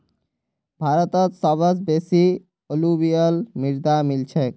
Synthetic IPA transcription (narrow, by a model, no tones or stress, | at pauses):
bʱaɾɔt̪ɔt̪sɔbʱɔsbesi | olubijɔlmiɾd̪amilt͡ɕʰek